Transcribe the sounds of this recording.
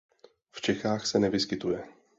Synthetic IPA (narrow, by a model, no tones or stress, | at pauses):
ft͡ʃɛxaːxsɛnɛvɪskɪt̪ujɛ